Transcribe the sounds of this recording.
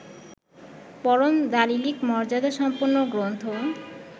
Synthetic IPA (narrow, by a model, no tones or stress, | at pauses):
pɔɾomd̪alilikmɔɾd͡ʑad̪aʃɔmpoɾnoɡɾont̪ʰo